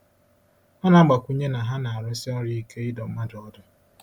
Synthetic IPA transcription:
a˦na˨˦ɡ͡ba˨kʷu˦ɲe˦na˨ɦa˦na˨a˨ɾɔ˦si˦ɔ˦ɾji˦ke˦ɪ˦dɔ˨m̩˦ma˦dɔ˦dʊ˨

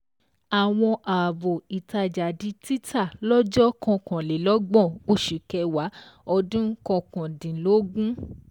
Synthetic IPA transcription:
a˨w̃ɔ̃˧ʔaː˨bo˨i˨ta˧d͡ʒa˨di˧ti˦tʰa˦˨lɔ˦d͡ʒɔ˦kɔ̃˧kɔ̃˨lɛ˨˦lɔ˦ɡ͡bɔ̃˦˨o˦ʃi˨kɛ˧wa˨˦ɔ˧dũ˦kɔ̃˧kɔ̃˨dĩ˨˦lo˦ɡũ˦

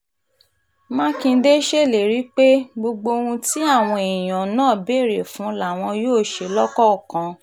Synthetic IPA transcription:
mã˦kĩ˧n̩˦de˦ʃe˦˨le˨ɾi˨˦k͡pe˦ɡ͡bo˧ɡ͡bo˧ũ˧ti˦a˦˨w̃ɔ̃˧e˨j̃ã˨nãː˦˨be˦˨ɾe˨fũ˨˦la˨w̃ɔ̃˧joː˦˨ʃe˧˨lɔ˦kɔ˦˨kã˧

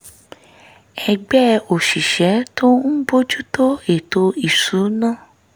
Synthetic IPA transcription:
ɛ˧ɡ͡bɛ˦o˨ʃi˨ʃɛ˨˦tʰo˦n̩˦bo˦d͡ʒu˦to˦e˦˨to˧i˨su˨˦nãː˦˨

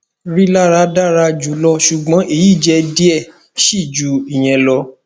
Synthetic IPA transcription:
ɾi˦la˦˨ɾa˧˦da˦˨ɾa˧d͡ʒu˨˦lɔ˧ʃu˨ɡ͡bɔ̃˨˦ʔe˦˧˨ji˦˨d͡ʒɛ˧˦di˦ɛ˦˨ | ʃi˦˨d͡ʒu˨˦i˨j̃ɛ̃˧lɔ˧

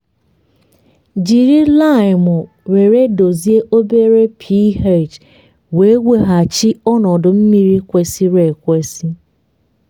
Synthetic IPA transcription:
d͡ʒi˨ɾi˦la˦˨ɪ˨mʊ˨ | ɾe˨ɾe˦do˨zi˦e˦ʔo˦be˦ɾe˦pʰi˦ɦe˦˨t͡ʃ | we˨˦ɡʷe˦ɦa˨t͡ʃi˦ɔ˦nɔ˨dʊ˨m̩˦mi˦ɾi˦kʷe˨si˦ɾe˨kʷe˦si˦

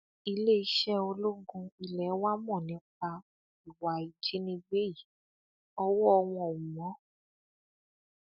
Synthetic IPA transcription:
i˧le˦i˦ʃɛ˦o˧lo˦ɡũ˧i˨lɛ˨˦wa˦mɔ̃˦˨nĩ˨˦k͡pa˧ | i˨wa˨i˨d͡ʒe˨˦nĩ˧ɡ͡be˦˨i˨ | ɔ˧wɔ˦ɔ˧w̃ɔ̃˧ɔ˨u˨mɔ̃˨˦

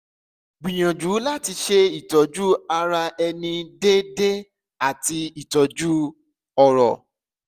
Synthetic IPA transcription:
ɡ͡bĩ˨j̃ã˨d͡ʒu˨˦la˦ti˧ʃe˦i˨tɔ˨d͡ʒu˦a˧ɾa˧ɛ˧nĩ˧de˦de˦ | a˦˨ti˧i˦˨tɔ˨d͡ʒu˦ | ɔ˨ɾɔ̰˨

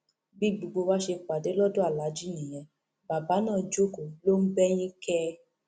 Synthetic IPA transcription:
bi˦˨ɡ͡bu˨˧ɡ͡bo˧wa˦ʃe˧k͡pa˨de˨˦lɔ˦do˦a˦˨la˨˦d͡ʒi˦˨j̃ĩ˨j̃ɛ̃˨ | ba˨ba˨˦nãː˦˨d͡ʒo˦˨ko˨lo˦n̩˦bɛ˦j̃ĩ˦kɛ˦

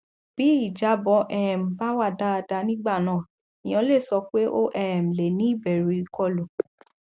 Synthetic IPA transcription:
b̥i˨˦i˦˨d͡ʒa˨˦bɔ˧˦ʔɛ˦˨m̩˨ba˦wa˦˨da˦a˧da˧nĩ˦ɡ͡ba˦˨nãː˦˨ | i˨j̃ɔ̃˧˦le˦˨sɔ˧k͡pe˦ʔo˦ʔɛ˦˨m̩˨le˨nĩ˦i˦˨bɛ˨ɾi˧kɔ˦˨lo˨

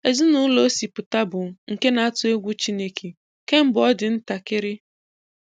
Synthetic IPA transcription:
e˨zi˦nʊ˦lo˦si˨pʊ˨ta˦bʊ˨ŋ̩˨ke˦na˨˦a˦tʊ˦e˦ɡʷu˦t͡ʃi˦ne˦kʰe˨ | ke˦m̩˦bʊ˨ɔ˦dɪ˨n̩˦ta˨kɪ˦ɾɪ˦

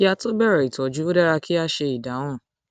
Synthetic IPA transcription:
a˧to˦bɛ˦˨ɾa˨i˨tɔ˨d͡ʒu˦o˦da˦ɾa˧ki˦a˧ʃe˧i˨da˨˦w̃ɔ̃˦˨

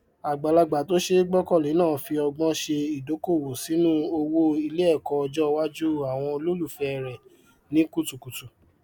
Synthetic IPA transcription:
a˨ɡ͡ba˨la˧ɡ͡ba˨to˨˦ʃe˦ɡ͡bɔ˦kɔ˦˨li˨˦nãː˦˨˦fi˧ɔ˧ɡ͡bɔ̃˦ʃe˧i˨do˨˦ko˦˨wo˨si˨˦nũ˦o˧wo˦i˧le˦ɛ˦˨kɔ˧ɔ˧d͡ʒɔ˦˧wa˦d͡ʒu˦a˨w̃ɔ̃˧o˧lo˦lu˦˨fɛ˨˧ɛ˨ɾɛ˨ | nĩ˨˦ku˦˨tu˨ku˨tu˨

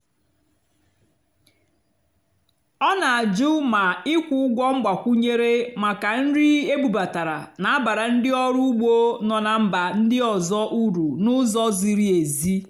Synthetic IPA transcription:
ɔ˦na˨a˨d͡ʒu˦ma˨ɪ˦kʷu˦ʊ˦ɡʷɔ˦ŋ͡m̩˦ɡ͡ba˨kʷu˦ɲe˦ɾe˦ma˨ka˨n̩˦ɾɪ˦e˦ɡ͡bu˨ba˨ta˨ɾa̰˨na˨a˦ba˨ɾa˨n̩˦dɪ˦ɔ˦ɾu˦u˦ɡ͡bo˦nɔ˨na˨m̩˦ba˨n̩˦dɪ˦ɔ˨zɔ˦ʔu˦ɾu˨nʊ˦zɔ˦zi˨ɾi˦e˨zi˦

